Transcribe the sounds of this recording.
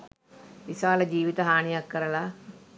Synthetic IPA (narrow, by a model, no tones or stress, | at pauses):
ʋisaːləd͡ʒiːʋit̪əɦaːɳijakːəɾəla